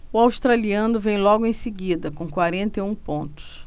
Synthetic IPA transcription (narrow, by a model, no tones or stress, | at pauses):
ʊawst̪ɾaliɐ̃nʊvẽj̃lɔɡʊẽj̃sɪɡid̪ɐkõkwaɾẽnt̪eũpõnt̪ʊ̥s